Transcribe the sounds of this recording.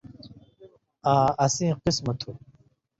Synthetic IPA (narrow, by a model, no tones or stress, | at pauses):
aːɐsĩːqismɐt̪ʰuː